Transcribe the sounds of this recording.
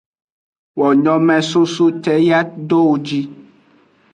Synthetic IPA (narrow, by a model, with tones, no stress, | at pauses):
wɔ˨ɲɔ̃˨mɛ̃˨su˦su˦t̪ɛ˦ja˦d̪o˦wo˨d͡ʑi˦